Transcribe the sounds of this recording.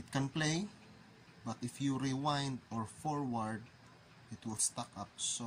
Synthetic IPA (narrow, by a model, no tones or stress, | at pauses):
ɪt̪̚kɛ̃nplej | bat̪ɪfjuɹiwãjnd̪ɔɹfɔɹwaɹd̪̚ | ʔɪt̪wɪlst̪akap̚so